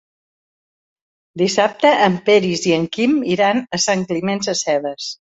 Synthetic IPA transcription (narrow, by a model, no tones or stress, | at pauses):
d̪isap̚t̪əʔəmpɛɾiziəŋkimiɾanəsaŋklimɛnzəsɛβəs